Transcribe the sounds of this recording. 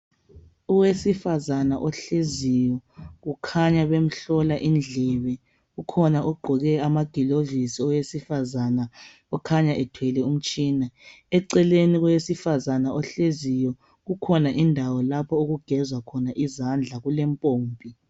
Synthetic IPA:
uwesifazanaʔɔɬezijɔɣukʰaɲaβem̩ɬɔlaʔind͡ɮʱɛβɛ | ɣukʰɔnaʔɔɡ͡ǃʱɔɣɛamaɡ̥ʱilovisiɔwesifazana | ɔkʰaɲaʔɛtʰwɛlɛum̩t͡ʃʼiːna | ɛǀɛleniɣujesifazanaʔɔɬezijɔ | ɣukʰɔnaʔindʱawɔlapʰɔoɣuɡ̥ʱɛzwakʰɔnaʔizand͡ɮʱaɣulɛmpʼoːmpʼi

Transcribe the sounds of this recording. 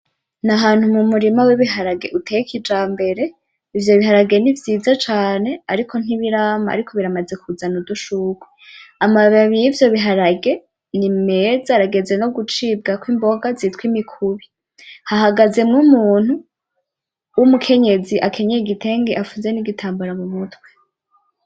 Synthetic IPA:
naɦaːn̥humumuɾimawiβiɦaɾaɡe̞̰ʔutʰejekid͡ʒaːmbe̞ɾe̞ | ivjo̞βiɦaɾaɡe̞nivjiːzat͡ʃaːne̞aɾikʰo̞n̥iβiɾama̰a̰ɾikʰoβiɾamaze̞kʰuzanuduʃukweamaβaβijivjo̞βiɦaɾaɡe̞ | nime̞zaɾaɡe̞ze̞no̞ɡut͡ʃiːb̚ɡakwiːmbo̞ɡazitwimikʰuβi | hahaɡaze̞mŋumuːn̥hu | wumukʰe̞ɲe̞ziʔakʰe̞ɲejɡitʰe̞ːŋɡe̞ʔafuzeniɡitʰaːmbuɾamumutwe

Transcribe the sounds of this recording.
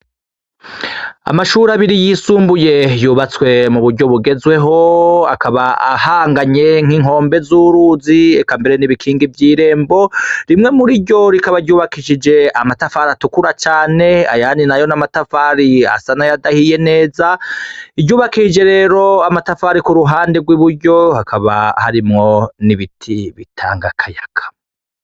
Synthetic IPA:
a̰maʃuːɾaβiɾijiːsuːmbuje̞juːβat͡swe̞muβuɾɟo̞βuɡe̞zwe̞ɦo̞a̰kʰaβaa̰haːŋɡaɲe̞ŋ̥iŋɦo̞ːmbe̞zuːɾuːziekambeɾe̞niβikʰiːŋɡivjiːɾe̞ːmbo̞ɾimŋe̞muɾiɟo̞ɾikaβaɾɟuːβakiʃid͡ʒe̞amatafaːɾatukuɾat͡ʃaːne̞a̰janinajo̞namatafaːɾia̰sanajadahije̞ne̞ːzaiɟuːβakiʃid͡ʒe̞ɾe̞ːɾo̞amatafaːɾikuɾuɦaːndiɡwiβuɾɟo̞hakʰaβa̰ha̰ɾimŋo̞niβitʰiβitʰa̰ːŋɡakʰajakʰḁ

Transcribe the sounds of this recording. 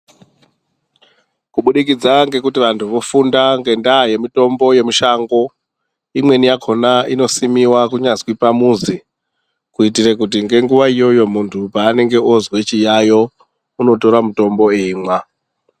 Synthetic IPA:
kuɓuɗikid͡zaŋɡe̞kutiʋantʰuʋo̞fundaŋɡe̞ndaːje̞mito̞mbo̞je̞miʃaŋɡo̞ | imwe̞nijakʰo̞naino̞simiwakuɲazwipamuzi | kuitirekut̬iŋɡe̞ŋɡuʋaijo̞jo̞muntʰupaːne̞ŋɡe̞ozwe̞t͡ʃijajo̞ | uno̞to̞ɾamuto̞mbo̞eimwa

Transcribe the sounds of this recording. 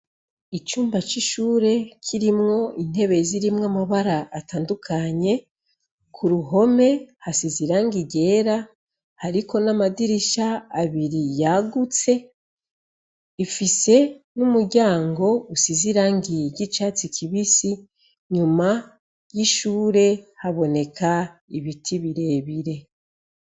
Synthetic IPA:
it͡ʃuːmbat͡ʃiʃuːɾe̞kʰiɾimŋo̞ʔin̥he̞βe̞ziɾimŋamaβaɾaʔːtaːndukʰaɲe̞ | kʰuɾuɦo̞me̞hasiziɾaːŋɡiɟe̞ːɾa | haɾiko̞namadiɾiʃaːβiɾijaɡut͡se̞ | ifise̞numuɾɟaːŋɡo̞usiziɾaːŋɡiɟit͡ʃaːt͡sikʰiβisi | ɲuma | jiʃuːɾe̞haβo̞ne̞kʰaiβitʰiβiɾe̞ːβiɾe̞

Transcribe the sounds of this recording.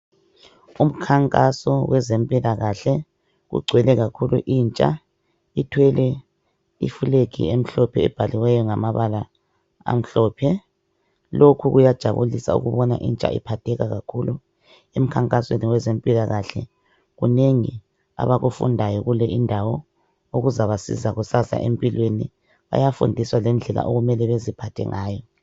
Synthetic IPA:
um̩kʰaŋkʼasɔwɛzempʼilaɣaɬɛ | ɣṵɡ͡ǀʱwɛlɛɣakʰulṵʔiːnt͡ʃʼa̰ | itʰwɛlɛ | ḭfuleɡʱḭem̩ɬɔpʰɛ̰ːb̥ʱaliwɛjɔŋamaβala | a̰m̩ɬɔːpʰɛ | lokʰuɣujad̥ʒ̥ʱaβulisa̰ṵɣuβɔna̰ʔint͡ʃʼa̰ḭpʰatʰɛɣaɣakʰulu | em̩kʰaŋkʼasweniwɛzempʼilaɣaɬɛ | ɣuneŋi | a̰βaɣufṵndʱajɔɣulɛʔindʱawɔ | oɣuzaβasḭzaɣusasa̰ʔempʼilweni | βa̰jafṵndʱiswalɛnd͡ɮʱɛla̰ʔoɣumɛlɛβezipʰatʰɛ̰ŋaːjɔ

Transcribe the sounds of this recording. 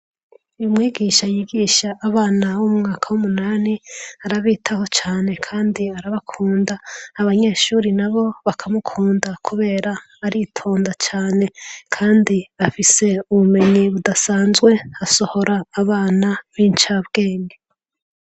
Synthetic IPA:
ujumŋiːɡiʃajiɡiːʃaʔːβaːnawumŋaːkʰawumunaːniaɾaβiːtʰaho̞t͡ʃaːne̞kʰaːndiaɾaβakʰuːndaːβaɲe̞ʃuːɾinaβo̞βakʰamukʰuːndakʰuβe̞ːɾaː | ɾitʰo̞ːndat͡ʃaːne̞kʰaːndiafise̞uβume̞ɲiβudasaːnzɡwe̞aso̞ho̞ɾaːβaːnaβiːnt͡ʃabɡe̞ːŋɡe

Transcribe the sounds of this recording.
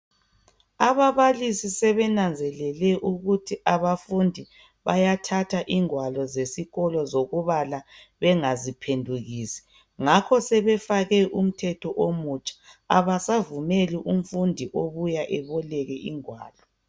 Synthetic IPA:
aβaβalisisɛβɛnand͡zʱɛlɛlɛʔuɣutʰiʔaβafundʱi | βajatʰatʰaʔiŋwalɔzesiɣɔlɔzoɣuβala | βɛŋazipʰendʱuɣiːsɛ̥ | ŋakʰɔsɛβɛfaɣɛʔum̩tʰɛtʰɔʔomut͡ʃʼḁa̰βasavumeliʔum̩fundʱiʔoβujaʔɛβɔlɛɣɛʔiŋwa̰ːlɔ

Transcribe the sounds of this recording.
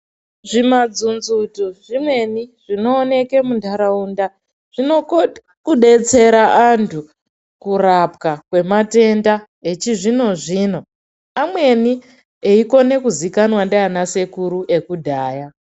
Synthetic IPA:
ʐimad͡zunzutuʐ̥imwe̞niʐ̥ino̞ːne̞ke̞mundʱaɾaunda | ʐ̥ino | kuɗe̞t͡se̞ɾaʔantʰu | kurap̚kakwe̞mate̞nda | e̞t͡ʃiʐino̞ʐino̞ | amwe̞ni | eiko̞ne̞kuzikanwandajanase̞kuɾuʔe̞kudʱaːja

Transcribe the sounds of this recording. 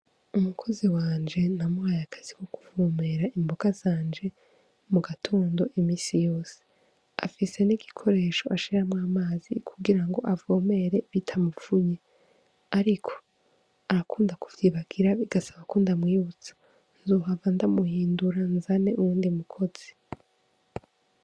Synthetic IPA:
umukʰo̞ziwaːnd͡ʒe̞namwaːjakʰḁz̥ikoku̥vome̞ɾaimboɡ̥az̥aːnd͡ʒe̞ | muɡatʰoːndo̞ʔimiːsijo̞ːse̥ | a̰fise̞niɡikʰo̞ɾe̞ːʃo̞ʔaʃiɾamŋaːmaːzḭkʰuɡiɾaŋɡo̞ʔavoːme̞ɾe̞βitʰamufuɲe | aɾikʰo̥ | aɾakʰuːndakuvjiːβaɡ̥iɾaβiɡ̥asaβakundamŋiːut͡sḁ | nzoːɦavandamuhiːnduɾanzane̞ʔuuːndimukʰo̞z̥i̥

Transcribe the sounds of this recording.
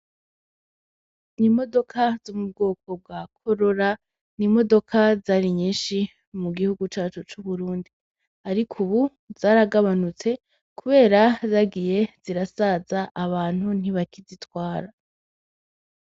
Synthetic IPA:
nimo̞do̞kʰaz̥omub̚ɡoːkʰo̞b̚ɡakʰo̞ɾo̞ɾa | nimo̞do̞kʰazaːɾiɲiːnʃi | muɡihuɡut͡ʃaːt͡ʃut͡ʃuβuɾuːndi | aɾikʰuβu | z̥aːɾaɡaβanut͡se̞ | kuβe̞ːɾazaɡije̞z̥iɾasazaʔːβaːn̥hun̥iβakizitwaːɾa

